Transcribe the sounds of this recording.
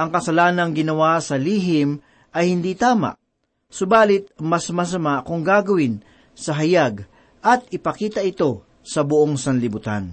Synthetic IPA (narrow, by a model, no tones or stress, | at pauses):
ʔɐŋkɐsɐlaːnɐŋɡɪnɐwasɐliːɦɪm | ʔɐjhɪnd̪it̪aːma̰ʔ | sʊbaːlɪt̪̚mɐsmɐs̬ɐmaʔkʊŋɡaːɡɐwɪn | sɐɦɐjaɡ | ʔɐt̪̚ɪpɐkiːt̪ɐʔɪt̪o̞ | sɐbʊʔoŋsɐnlɪbʊt̪a̰n